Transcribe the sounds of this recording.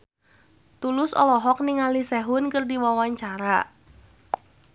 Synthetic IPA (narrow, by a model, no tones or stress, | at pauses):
t̪ulʊsɔ̰lɔɦɔk̚niŋalisɛɦʊnkərdiwawaɲt͡ʃaɾa